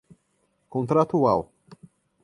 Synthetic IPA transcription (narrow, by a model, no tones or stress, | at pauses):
kõnt̪ɾat̪ua̰w